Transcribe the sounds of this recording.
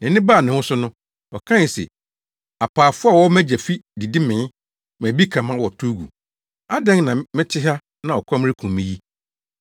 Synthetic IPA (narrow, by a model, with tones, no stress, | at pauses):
nɛ̃˨˦nɪ̃˦ba˦˨nɪ̃˨hʊ̃˦sʊ˦nʊ̃˦ | ɔ˨kʰã˦n˨sɛ̰˨ | a˨pʰaː˨fʊ˦a˨wɔ˦mæ˦d͡ʑɛ˨fi˦di˨dɪ˦mɪ̃˨˦ | m˨æ̃˨bi˦kʰã˨mã˦wɔ˨tʰu˦ɡṵ˨ | a˦dɛ̃˦ŋnã˨mɪ̃˦tʰɪ˦ɦa˦ | nã˨ɔ˨kʰɔ̃˦m˦ɾɪ˦kʰũ˨mmĩ˦ji˦